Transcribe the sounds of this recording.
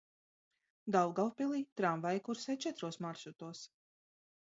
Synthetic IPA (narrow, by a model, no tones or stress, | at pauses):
d̪awˠɡalˠpʲilˠiːt̪ɾamvajkuɾsɛːt͡ʃɛt̪ɾuɔsmaɾʃut̪uɔs